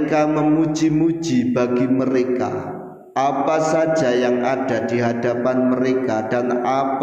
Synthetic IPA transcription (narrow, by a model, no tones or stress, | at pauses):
ŋkaməmu̥d͡ʒimu̥d͡ʒibaɡiməɾeka̰ | ʔapasḁd͡ʒajaŋʔad̥adiɦadapanməɾekadanap